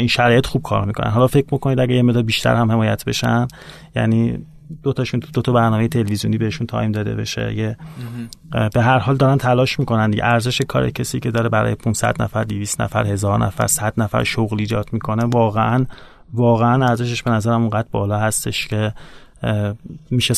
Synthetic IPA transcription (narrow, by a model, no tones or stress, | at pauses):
inʃæɾɒːjet̪xub̥̚kʰɒ̰ɾmikʰonæ̰nɦɒːlɒfecʰmikʰonid̪æɡejemeɣd̪ɒlbiːʃt̪ʰæ̰ɾhæmhe̞mɒːjæ̰t̪ʰbe̞̰ʃæn | jæ̰niː | d̪̥ot̪ʰɒʃunt̪ud̪ot̪ʰɒbæɾnɒːmejet̪ʰe̞levizijṵniːbeeʃunt̪ʰɒ̰ːjmd̪ɒːd̪ḛbe̞̰ʃḛje | b̥e̞ɦæɾhɒːld̪ɒːɾænt̪ʰælɒːʃmiːko̞nænd̪iɟḛʔæɾze̞ʃekʰɒ̰ːɾḛcʰesiːcʰe̞d̪ɒːɾebæɾɒ̰ːjepʰunsæ̰d̪næ̰fæɾd̪iviːst̪nʔæ̰fæ̰ɾhe̞zɒːɾnʔæ̰fæ̰ɾsæd̪̥næfæ̰ɾʃoɣliːd͡ʒɒːd̪̥mikʰo̞ne̞vɒːɣeʔæn | vɒːɣeænæɾze̞ʃ̬eʃb̥e̞næzæɾæmuŋɢæd̪̚bɒːlɒːɦæst̪eʃcʰe̞ | miːʃe